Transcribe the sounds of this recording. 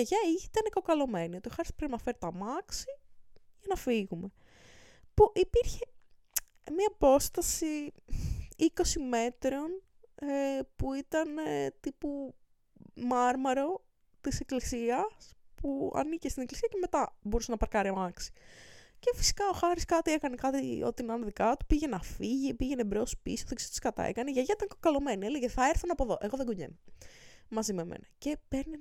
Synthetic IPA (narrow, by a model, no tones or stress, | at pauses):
eʝɐiit̪ɐneko̞kɐlo̞me̞nio̞t̪io̞xɐɾispɾinnɐfeɾt̪ɐmɐksiʝɐnɐfiɣume̞ | puʔipiɾçe̞ | mɐːpo̞st̪ɐsi | iko̞sime̞t̪ɾo̞n | epuit̪ɐnet̪ipu | mɐɾmɐɾo̞ | t̪iseklisiɐspuɐ̰nicest̪ineklisiɐceme̞t̪ɐbo̞ɾusenɐpɐɾkɐɾiɐmɐksi̥ce̞fi̥si̥kɐoxɐɾiskɐot̪ie̞kɐnekɐt̪io̞̰t̪inɐnðikɐt̪u̥piʝenɐfiʝipiʝe̞nebɾeospisoðeksot̪iskɐt̪ɐ̰ḛkɐneʝɐʝɐit̪ɐnkɐlome̞nieleʝeθɐeɾθunɐpo̞ðo̞ʔe̞ɣoðeɡuɲḛno | mɐzimemʔḛnɐce̞peɾne